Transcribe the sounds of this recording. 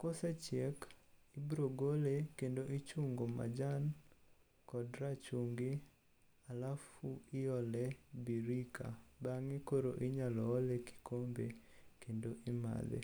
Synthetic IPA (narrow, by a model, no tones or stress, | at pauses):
kosɛt͡ʃjek | ibɾoɡolekendoʔit͡ʃuŋɡoma̰d͡ʒan | kɔdɾat͡ʃuŋɡi | alafuɪɔlɛbiɾika̰baŋikoɾo̰ʔiɲalɔːleki̥kombekendoʔima̰d̪ḛ